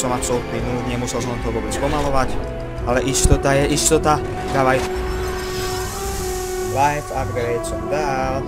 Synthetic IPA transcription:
sɔmapsɔlut̪ninuːd̪ɲɛmusɛls̬ɔmt̪ɔʋʊɔːbɛt͡spɔmalɔʋac | alɛʔist̪ɔt̪ajɛʔist̪ɔt̪a | kaʋajt | lajtaɡɾɾɛt̪sɔmd̪al

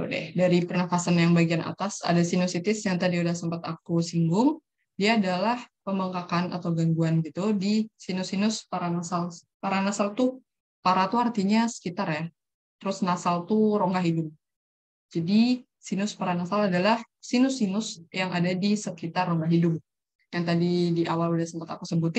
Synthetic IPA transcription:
o̰dɛ̰hdaɾipərnafasanjaŋbaɡiana̰t̪asa̰dasinusit̪ɪsjaŋt̪adiudahsəmpat̪a̰kusiŋɡʊŋ | diaːdalahpəmbaŋkakana̰t̪awɡaŋɡuanɡit̪udisinʊsinʊspaɾanasal | paɾanasalt̪u | paɾat̪uhart̪iɲasə̥kit̪arja | t̪əɾʊsnasalt̪uɾoŋɡaɦidʊb̚ | d͡ʒadi | sinʊspaɾanasaladalah | sinʊsinʊsjaŋadadisəkit̪arːoŋɡaɦidʊb̚ | jaŋt̪adidiʔawaludahsəmpat̪akusəbut̪

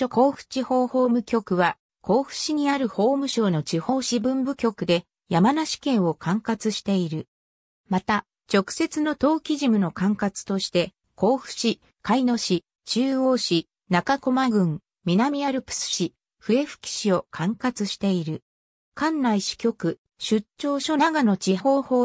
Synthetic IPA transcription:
oko̞ːɸɯ̟̥t͡ɕiho̞ːho̞ːmɯ̟kʲo̞kɯ̟βa | ko̞ːɸɯ̟̥ɕiɲ̟iaɾɯ̟ho̞ːmɯ̟ɕo̞ːno̞t͡ɕiho̞ːɕibɯ̟̃mbɯ̟kʲo̞kɯ̟d̪e̞ | jamanaɕi̥kẽ̞ɰ̃o̞kʰãŋkat͡sɨɕi̥t̪e̞iɾɯ̟ | mat̪a | t͡ɕo̞kɯ̟̥se̞t͡sɨno̞t̪o̞ːkʲiʑimɯ̟no̞kãŋkat͡sɨ̥t̪o̞ɕi̥t̪e̞ | ko̞ːɸɯ̟̥ɕi | kaino̞ɕi | t͡ɕɨːo̞ːɕi | nakako̞maɡɯ̟̃ŋ | mʲinamʲiaɾɯ̟pɯ̥sɨ̥ɕi | ɸɯ̟e̞ɸɯ̥kʲi̥ɕio̞kʰãŋkat͡sɨɕi̥t̪e̞iɾɯ̟ | kãnːaiɕi̥kʲo̞kɯ̟ | ɕɨt͡ɕːo̞ːɕo̞naɡano̞t͡ɕiho̞ːho̞ː

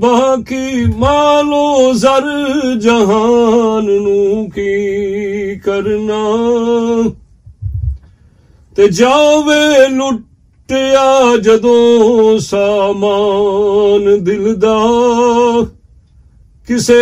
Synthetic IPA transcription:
baːkimaːloːzəɾd͡ʒəɦaːnnũːki | kəɾnaː | t̪eːd͡ʒaːʋeːlʊʈː | ejaːd͡ʒəd̪õːsaːmaː | nd̪ɪld̪aː | kɪse

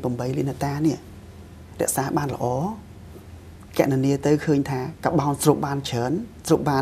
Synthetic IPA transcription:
pəmɓəjliənat̪aːniəʔ | rɛ̆əʔsaːɓaːnlə̆ʔɑː | kɛ̆əʔniniət̪ɨwkʰəːɲt̪ʰaːkaɓawnsruːp̚ɓaːnt͡ɕʰəːnsruːp̚ɓaː

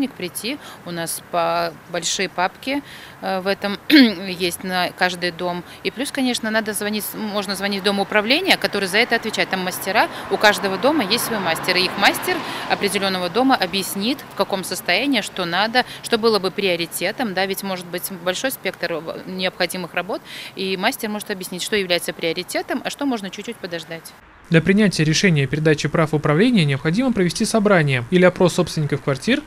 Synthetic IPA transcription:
nʲɪkpɾʲɪtʲːiʊnaspəbɐlʲʂɨjəpapkʲɪvɛt̪əmjesʲtʲnəkaʐd̪ɨjd̪o̞m | iplʲuskɐnʲe̞ʂnənad̪əzvɐnʲitʲmo̞ʐnəzvɐnʲit̚ʲd̪o̞məʊpɾɐvlʲenʲɪjəkɐt̪o̞ɾɨjzɐɛt̪əɐt̪vʲɪt͡ɕæjɪt̪t̪amːəsʲtʲɪɾaʊkaʐd̪əvəd̪o̞məjesʲtʲsvɐimasʲtʲɪɾɨixmasʲtʲɪrɐpɾʲɪdʲɪlʲo̞nːəvəd̪o̞məʔɐbjɪsʲnʲit̪fkɐko̞msəst̪ɐjænʲɪːʂt̪o̞nad̪əʂt̪o̞bɨlˠəbɨpɾʲɪɐɾʲɪtʲe̞t̪əmd̪avʲɪtʲmo̞ʐɨt̪̚bɨtʲbɐlʲʂo̞jspʲe̞kt̪ərnʲɪəpxɐdʲimɨxrɐbo̞t̪imasʲtʲɪrmo̞ʐɨt̪ɐbjɪsʲnʲitʲʂt̪o̞jɪvlʲæjɪt̪səpɾʲɪɐɾʲɪtʲe̞t̪əmɐʂt̪o̞moʐnət͡ɕʉt͡ɕʲt͡ɕːut̚ʲpəd̪ɐʐd̪atʲ | d̪lʲɐpɾʲɪnʲætʲɪjəɾʲɪʂɛnʲɪjəpʲɪɾʲɪd̪at͡ɕɪpɾafɨʊpɾɐvlʲenʲɪjənʲɪəpxɐdʲiməpɾəvʲɪsʲtʲisɐbɾanʲɪjəilʲɪɐpɾo̞sːo̞pst̪vʲɪnʲɪkəfkvɐrtʲir

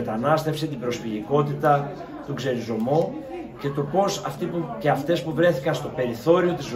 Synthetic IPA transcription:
t̪ɐnɐst̪e̞fse̞t̪ibɾo̞sfiliko̞t̪it̪ɐ | t̪uɡze̞ɾizo̞mo | ce̞t̪o̞po̞sɐft̪ipuceɐft̪e̞spuvɾe̞θikɐnst̪o̞pe̞ɾiθo̞ɾio̞t̪iz

